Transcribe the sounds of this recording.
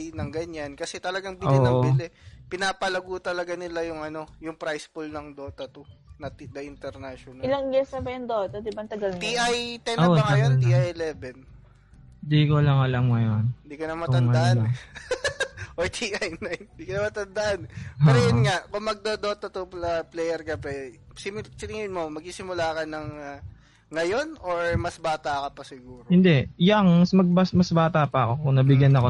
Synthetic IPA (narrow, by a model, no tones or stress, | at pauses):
jnɐŋɡɐɲankɐsɛt̪ɐlɐɡaŋbɪoliːɐoŋɪlɛpɪnaːpɐlɐɡut̪ɐlɐɡanɪlajʊŋɐno̞jʊŋpɾajspulnɐŋd̪oːt̪ɐt̪onɐd̪ɐʔɪnt̪ɛɾnaʃonaɪlaŋɡɛsnɐbɐjʊŋd̪oːt̪ɐd̪ɪbɐnt̪ɐɡɐlt̪iʔajt̪ɛnoɐŋɐjonniʔajɛlɛːbɛn | d̪ikolɐŋɐlamŋɐjond̪iːkonɐmɐt̪ɐnɐaʔʔan | ʔoɹt̪ʰiʔajnajnnd̪iːkonɐmɐt̪ɐnd̪ɐʔanpɛːɾojʊnŋaʔkʊŋmɐɡ̚d̪od̪oːt̪ot̪uplɐplɛjɛɾkɐpɛsɪsɪnɪŋɪnmomɐɡ̚sisɪmʊlaːkɐnɐŋa | ŋɐjo̞noɹmɐsbaːt̪ɐkɐpɐsɪɡuːɾohɪnd̪ɛjaŋmɐsmɐɡ̚bɐsmɐsbaːt̪ɐʔpɐɐko̞kʊŋnɐbɪɡjɐnɐko